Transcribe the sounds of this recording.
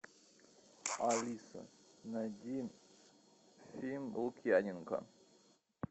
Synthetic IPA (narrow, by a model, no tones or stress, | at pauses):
alʲisɐ̰nɐd̪ʲim | fʲimukʲianʲinka̰